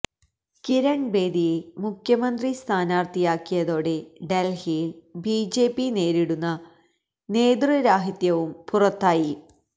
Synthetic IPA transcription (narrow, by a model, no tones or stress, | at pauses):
kiɾɐɳbe̞ːd̪ijemukʰjɐmɐnd̪rist̪ʰaːnaːrt̪ijaːkːijɐðo̞ːɽe̞ɖelhibiːd͡ʑe̞ːpːine̞ːɾiɽunːɐ | ne̞ːd̪rɨɾaːɦit̪jɐʋumpurɐt̪ːaːji